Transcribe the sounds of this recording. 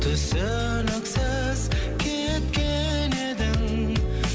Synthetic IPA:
t̪ʰʊsø | nəksə | zkʲʰe | t̪̚kʲe | ned̪ɪŋ

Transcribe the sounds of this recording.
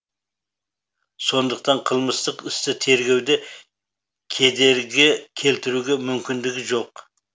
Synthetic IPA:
so̞nd̪əq̚t̪ɑɴqʰəlˠməst̪əqɪst̪ɪt̪ʰe̞ɾɡʲe̞wd̪ɪ | kʲʰe̞d̪e̞ɾɡʲekʲʰe̞lt̪ɪɾuɡʲe̞mʏmkʲɪnd̪ɪɡʲɪʒo̞q

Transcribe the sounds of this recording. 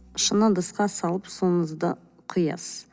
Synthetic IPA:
ʃənəd̪əsqɑsɑlˠəpsonəzd̪ə | qʰʊjɑ̰s

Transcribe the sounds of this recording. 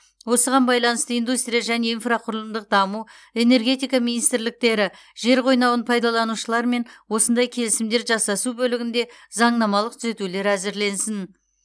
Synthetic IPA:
wo̞səʁɑnbɑjlˠɑnəst̪əijnd̪ust̪ɾʲijaʒæne̞infraqʰʊɾlˠəmd̪əq̚d̪ɑmu | e̞ne̞ɾɡʲe̞t̪ijkɑminijst̪ɪɾlɪk̚t̪e̞ɾɪ | ʒ̥e̞ɾqʰo̞jnɑwənpʰɑjd̪ɑlˠɑnuʃəlˠɑɾme̞nwo̞sənd̪ɑjkʲʰe̞lɪsɪmd̪e̞ɾʒɑsːɑsubɵlɪɡʲɪnd̪e̞zɑɴnɑmɑlˠəq̚t̪ʰʏze̞t̪ule̞ɾæzɪɾle̞nsɪn

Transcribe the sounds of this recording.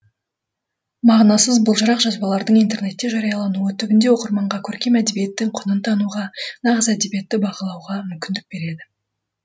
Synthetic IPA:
mɑʁnɑsəzbʊlˠʒəɾɑqʒɑzbɑlˠɑɾd̪əɴijnt̪e̞rne̞t̪ːe̞ʒɑɾɑjɑlˠɑnuət̪ʰʏɡʲɪnd̪e̞wo̞qəɾmɑɴʁɑkʲʰɵɾkʲe̞mæd̪ebije̞t̪ːɪŋqʰʊnənt̪ʰɑnuʁɑnɑʁəzæd̪e̞bije̞t̪ːɪbɑqəlˠɑwʁɑmʏmkʲɪnd̪ɪk̚be̞ɾe̞d̪ɪ

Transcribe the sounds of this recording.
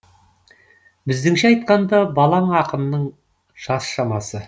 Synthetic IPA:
bɪzd̪ɪŋʃeɑjt̪̚qɑnd̪ɑbɑlˠɑɴɑqəmnəɴ | ʒ̥ɑsʃɑmɑsə

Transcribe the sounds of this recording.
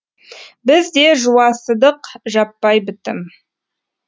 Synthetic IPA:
bɪzd̪e̞ʒuwɑsəd̪əqʒɑpːɑjbɪt̪ɪ̰m

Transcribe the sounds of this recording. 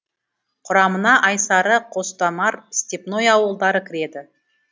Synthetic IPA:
qʰʊɾɑmənɑʔɑjsɑɾəqʰo̞st̪ɑmɑɾst̪ʲepno̞jɑwəlˠd̪ɑɾəkʲʰɪɾe̞d̪ɪ

